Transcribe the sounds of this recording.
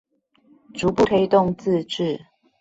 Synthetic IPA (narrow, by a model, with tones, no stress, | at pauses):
ʈ͡ʂu˨˦pu˥˨t̪ʰe˥˧ɪt̪ʊ˥˨ŋt͡sɹ̩˥˧ʈ͡ʂɻ̩˥˨